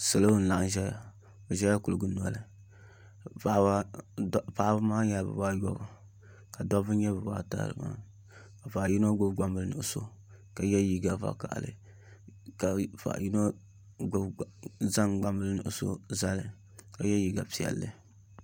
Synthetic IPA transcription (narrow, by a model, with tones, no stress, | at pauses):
sɨ˨lo˦n̩˨la˨ʔɨ˦n˦ʒɛ˦ja˨ | ɨ˨ʒɛ˦ja˦ku˨lɨ˨ɡɨ˦n˨ɔ˨lɨ˨ | a˦a˦ | pa˦ba˦maː˦ɲa˦˨bɨ̰˨ba˦jɔ̰˦˨ | ka˨dɔ˦vɨ˦ɲɛ˦bɨ˨ba̰˦ta̰˦˨lɨ̰˨ma̰˦ | ka˨fa˨ji˦no˦ɡʊ˦bɡ͡ba˦mbɨ˦lɨ˦nɨ̰˨ʔɨ˨so̰˦ | ka˨jɛ˦ji˦ɡa˨va̰˨ka̰˨ʔlɨ̰˨ | ka˨fa̰˨ʔji˦no˦ | za˦ŋɡ͡ba˦mbɨ˦lɨ˦nɨ̰˨ʔso̰˦za˦lɨ˨ | ka˨jɛ˦ji˨ɡa˨pi˨ɛ̰˨lːɨ̰˦